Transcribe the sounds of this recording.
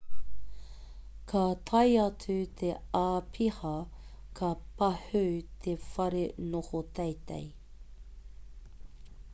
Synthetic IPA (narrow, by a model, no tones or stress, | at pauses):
kʰat̪ʰɐjɐt͡sʉt̪ʰeaːpʰihɐ | kʰɐpɐhʉt̪ʰefɐɾenohot̪ejtḛj